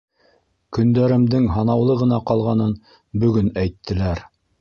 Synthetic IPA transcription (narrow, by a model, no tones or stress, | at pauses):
kɵ̆nd̪æɾɘ̆md̪ɘŋɦɑnɑwlˠɤʁɤ̆nɑqɑlˠʁɑnɤn | bɵ̆ɡɵnæjt̪ʰːɘ̆læɾ